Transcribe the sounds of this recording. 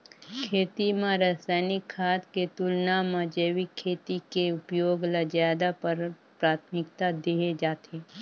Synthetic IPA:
kʰeːt̪imãɾasaːɪnɪkʰːaːt̪ket̪ʊlnamãd͡ʒeːʋikʰːeːt̪ikeʊpjoːɡləd͡ʒaːd̪apɐɾ | pɾaːt̪ʰmɪkt̪ad̪eːɦed͡ʒaːt̪eː

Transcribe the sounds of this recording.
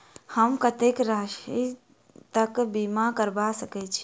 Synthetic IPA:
həmkət̪ekɾaʃi | t̪əkbimakəɾbasəkɛt͡ʃʰi̥

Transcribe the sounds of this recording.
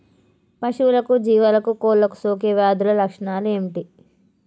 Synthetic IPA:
pɐʂulɐkud͡ʒiːʋalɐkukoːlːɐku̥soːk̬eːʋjaːd̪ulɐlɐkʂɐɳaːlueːmiʈi

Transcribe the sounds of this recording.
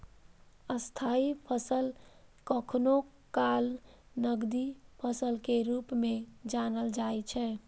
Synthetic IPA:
əst̪ʰaipʰəsəlkəkʰno | kal | nəɡd̪ipʰəsəlkeɾupmed͡ʒanəld͡ʒajt͡ʃʰɛ

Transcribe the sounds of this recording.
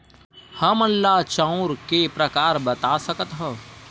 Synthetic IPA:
həməlːat͡ʃãːʊ̃ɾkepɾɐkaːɾbɐt̪asəkət̪ɦɛː

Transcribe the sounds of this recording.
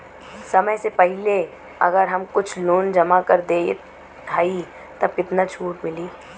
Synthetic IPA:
sɐməjsepɛɦɪle | ɐ̰ɡəɾɦɐmkʊt͡ʃʰloːnd͡ʒɐmakɐɾd̪eː | d̪ʰʱaːi | t̪ɐb̚kɪt̪nat͡ʃʰuːʈmɪliː

